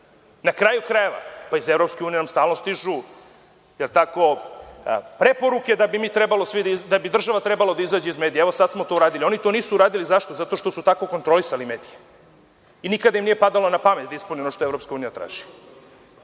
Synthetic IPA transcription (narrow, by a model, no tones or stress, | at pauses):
nakɾaːjukɾajeʋa̰paizevɾo̞pskeuːnijenamst̪aːlno̞st̪iʒu | jelt̪ako̞ | pɾe̞po̞ɾuke̞d̪abimit̪ɾebalˠosʋid̪id̪abid̪r̩ʒaʋat̪ɾebalod̪aizaːd͡ʑeizmed̪ieeʋo̞sad̪t̪smot̪ouɾaːd̪ilio̞nit̪o̞niːsuːɾaːd̪ilizaʃt̪o̞zat̪o̞ʃt̪osut̪ako̞kont̪ɾo̞lisalimeːd̪ije | inikad̪aimnije̞pad̪alˠonapamet̪̚d̪aispunionoʃt̪oevɾo̞pskauːnijat̪ɾa̰ːʒ̥i̥